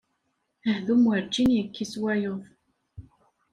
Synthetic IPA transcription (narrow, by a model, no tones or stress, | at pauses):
əhðumwəɾt͡ʃːinjəkʰːiswæjoðˤ